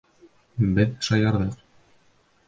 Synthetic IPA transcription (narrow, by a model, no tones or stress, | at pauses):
bɘðʃɑjɑɾðɤq̚